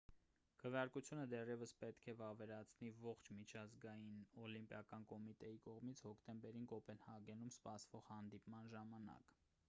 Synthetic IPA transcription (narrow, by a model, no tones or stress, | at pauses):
kʰəvjɑɾkut͡sʰjunəd̪ɛrjɛvəspɛt̪kʰɛvɑvɛɾɑt͡sʰnivɔχt͡ʃʰmit͡ʃʰɑzɡɑjinɔlimpjɑkɑnkɔmit̪ɛjikɔʁmit͡sʰhɔkʰt̪ɛmbɛɾinkɔpɛnhɑɡɛnumspɑsvɔʁhɑnd̪ipmɑnʒɑmɑnɑ̰k